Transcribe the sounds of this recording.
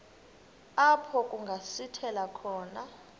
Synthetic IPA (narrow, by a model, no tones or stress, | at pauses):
apʰɔkʼuŋɡʱasitʰɛlakʰɔːna